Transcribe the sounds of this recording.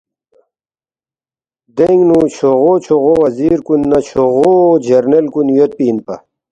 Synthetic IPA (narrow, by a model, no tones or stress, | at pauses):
d̪eŋɡnut͡ɕʰoʁot͡ɕʰoɣowɐziːɾkunːɐt͡ɕʰoʁod͡ʑɐɾnelkunjot̪̚piːnpɐ̰